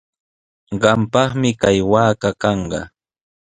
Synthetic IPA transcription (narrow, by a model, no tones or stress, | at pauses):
ɢɑmpɑχmɪkajwaːkakɑɴɢɑ̰